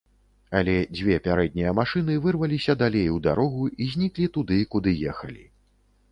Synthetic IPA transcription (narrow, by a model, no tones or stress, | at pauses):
ɐlʲɛd͡zʲvʲɛpʲaɾɛd̪̚ʲnʲijɐmaʂɨn̪ɨvɨrvɐlʲisʲɐd̪alʲejwd̪aɾɔɣuizʲnʲiklʲit̪ud̪ɨkud̪ɨjɛxɐlʲḭ